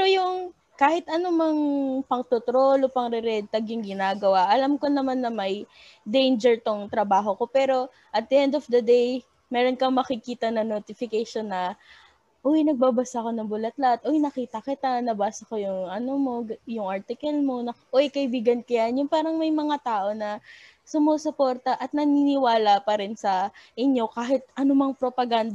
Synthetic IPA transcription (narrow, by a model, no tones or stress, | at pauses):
pɛɛɾojʊŋ | kaːhɪt̪ʔɐnomɐŋpɐŋt̪ot̪ɾo̞lopɐŋɾɛɾɛd̪t̪ɐɡjʊŋɡɪnaːɡɐwaʔɐlamko̞nɐmanːɐmɐj | d̪ejnd͡ʒɛɹt̪oŋt̪ɾɐbaːɦo̞ko̞pɛːɾo̞ | ʔɐt̪̚d̪ɪʔɛnd̪ofd̪ɐd̪ej | mɛːɾo̞nkɐmɐkɪkiːt̪ɐnɐŋnot̪ɪfɪkajʃo̞nːɐ | ʔojnɐɡ̚babɐsaʔɐko̞nɐŋbʊlɐt̪lat̪ʔojnɐkiːt̪ɐkɪt̪anɐbaːsɐkojʊŋʔɐnomo̞jʊŋʔaɹt̪ɪkɐlmo̞nɐʔojkɐʔɪbiːɡɐnkɐjanjʊŋpaːɾɐŋmɐjmɐŋat̪aːʔo̞nɐ | sʊmoːsopoɾt̪ɐʔɐt̪̚nɐninɪwaːlɐpɐɾɪnsɐʔɪɲo̞kaːɦɪt̪̚ʔɐnomɐŋpɾopɐɡand̪